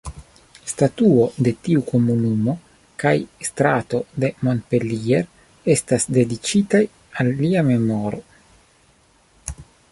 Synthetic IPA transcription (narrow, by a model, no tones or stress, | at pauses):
statuo̞de̞tiuko̞munumo̞ | kajst̪ɾato̞de̞monpe̞lieɾ | e̞stasde̞dit͡ʃitaj | alːiame̞mo̞ɾo̞